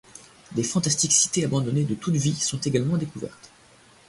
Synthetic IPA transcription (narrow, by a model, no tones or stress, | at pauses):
d̪efɑ̃t̪ast̪iksi̥t̪eabɑ̃d̪ɔned̪ət̪ut̪visɔ̃t̪eɡalmɑ̃d̪ekuvɛ̰ʁt̪